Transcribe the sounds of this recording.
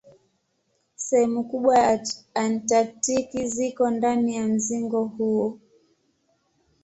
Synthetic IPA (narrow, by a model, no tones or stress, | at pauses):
sɛhɛmukuɓwaantak̚tikizikɔndanijam̩ziŋɡɔhuɔ